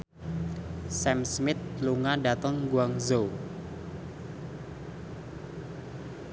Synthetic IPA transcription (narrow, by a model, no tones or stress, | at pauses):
sɛmsmɪt̪̚luŋaɖat̪əŋɡuaŋzo